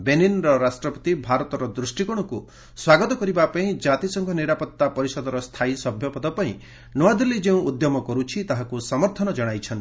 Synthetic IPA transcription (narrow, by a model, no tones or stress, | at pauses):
beninɾɔɾasʈɾɔpɔ̥t̪ibʱaɾɔt̪ɔɾɔd̪ɾusʈikɔɽ̃ɔku | swaɡɔt̪ɔkɔɾibapaĩd͡ʒat̪isɔŋkʰɔniɾapɔt̪ːapɔɾisɔd̪ɔɾɔst̪ʰajsɔbʱjɔpɔd̪ɔpaḭ̃ | nɔad̪elid͡ʒeũud̪jɔmɔkɔɾut͡ʃʰit̪aɦakusɔmɔɾt̪ʰɔnɔd͡ʒɔɽ̃ajt͡ʃʰɔnt̪i